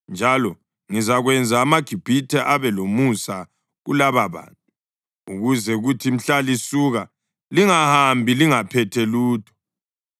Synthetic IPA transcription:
nd͡ʒʱalɔ | ŋizaɣwɛnd͡zʱaːmaɡ̥ʱib̥ʱitʰɛʔaβɛlomusa | ɣṵlaβaβa̰ntʰʼu | uɣuzɛuɣutʰim̩ɬalisuɣa | liŋahambʱiliŋapʰɛtʰɛluːtʰɔ̥

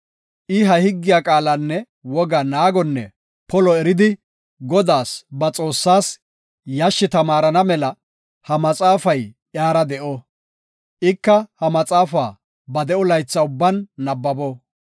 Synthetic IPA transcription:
ʔɪɦɐhɪɡːɪjaːkʼaːlɐnːɛ | wɔɡɐnaːɡɔnːɛ | pɔlɔɛɾɪd̪ɪ | ɡɔd̪aːsbɐt͡sʼo̞ːsːaːs | jɐʃːɪt̪ɐmaːɾɐnɐmɛlɐ | hɐmɐt͡sʼaːfɐjʔjaːɾɐd̪ɛʔɔ | ʔɪkːɐhɐmɐt͡sʼaːfaː | bɐd̪ɛʔɔlɐjt͡sːɐʊbːɐnːɐbːɐbɔ

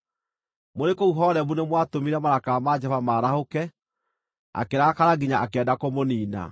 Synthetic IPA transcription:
moɾekouɦɔːɾɛbunemwatomiɾɛmaɾakaːmad͡ʒɛvamaːɾahokɛ | a̰keɾakaɾaɡiɲaʔakɛːdakomoniːna̰

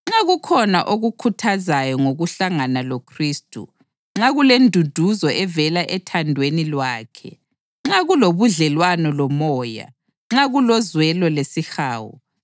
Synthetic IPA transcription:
ŋ͡ǁaɣukʰɔnaʔoɣukʰutʰazajɔŋoɣuɬaŋanalokʰriːstʼṵ | ŋ͡ǁaɣulendʱud̥ʱuzɔʔɛvɛlaʔɛtʰandʱwenilwaːkʰɛ̰ | ŋ͡ǁaɣuloβuɮɛlwanɔlɔmɔːja̰ | ŋ͡ǁaɣulɔzwɛlɔlesixaːwɔ̰

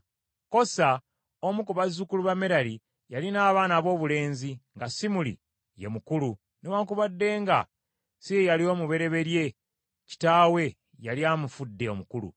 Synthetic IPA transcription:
ko̞sa | omukuβazukuluβame̞ɾali | jalinaːβaːnaːβo̞ːβule̞ːnziŋɡasimulḭ | je̞mukulu | newaːŋkuβadːe̞ːŋɡa̰ | sijejalio̞ːmuβe̞ɾe̞βe̞ɾje̞ | ci̥taːwe̞ | jaliaːmufudːe̞o̞mukulṵ

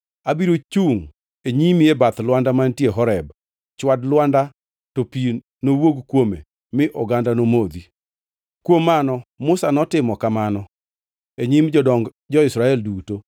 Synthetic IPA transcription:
abiɾot͡ʃuŋ | eɲimiebat̪lwandamantjeɦɔɾɛb | t͡ʃwadlwanda | topi | nowoɡkwomḛ | mɪʔɔɡandanomod̪i | kwomːanɔmʊsanɔtɪmɔkamanɔ | eɲimd͡ʒɔdɔŋɡ | d͡ʒɔɪsɾaɛlduto

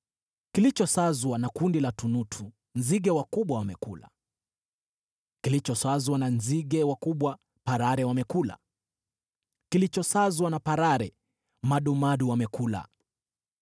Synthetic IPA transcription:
kilit͡ʃɔsazwanakundilatunutʰu | nziɡɛwakuɓwawamɛkula̰ | kilit͡ʃɔsazwananziɡɛwakuɓwa | paɾaɾɛwamɛkula̰ | kilit͡ʃɔsazwanapaɾaɾɛ | maɗumaɗuwamɛkula̰

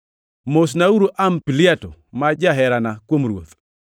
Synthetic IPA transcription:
mos̬nauɾuʔampiliatomad͡ʒaɦɛɾanakwomɾwo̰t̪

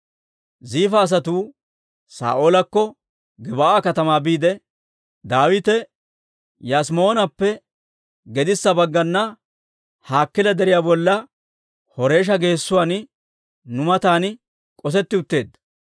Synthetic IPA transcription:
ziːfɐːs̬ɐt̪uː | sa̰ːʔoːlɐkːɔ | ɡɪbaaːkɐt̪ɐmaːbiːd̪ɛ | d̪aːwɪt̪ɛ | jasmo̞ːnɐpːɛ | ɡɛd̪ɪsːɐbɐɡːɐnːɐ | haːkːɪlɐd̪ɛɾɪjaːbɔlːɐ | hɔɾe̞ːʃ̬ɐɡe̞ːsːʊwaːn | nʊmɐt̪aːn | kʼɔsɛt̪ːɪʊt̪ːe̞ːd̪ːɐ

